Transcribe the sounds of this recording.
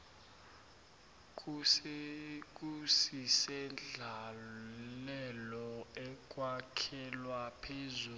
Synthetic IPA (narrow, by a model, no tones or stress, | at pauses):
kʼs | k̬ʼusisɛnd͡ɮʱa | lɛlɔɛkʼwakʰɛlwapʰezuː